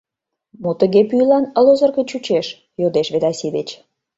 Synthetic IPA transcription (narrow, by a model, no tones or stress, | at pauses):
mot̪əɣepyjlɑnə̆lozə̆rɣə̆t͡ɕut͡ɕeʃ | jod̪eʃβed̪ɑsid̪et͡ɕ